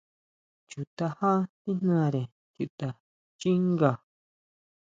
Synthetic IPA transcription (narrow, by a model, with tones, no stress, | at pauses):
t͡ʃu˨t̪a˧hã˦t̪i˦n̥nãː˦˨ɾe˨ | ju˨ʔt̪a˨ | t͡ʃi˦ŋɡa˨